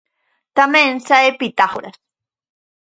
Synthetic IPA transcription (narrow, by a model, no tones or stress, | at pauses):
t̪amẽnsaepit̪aχoɾas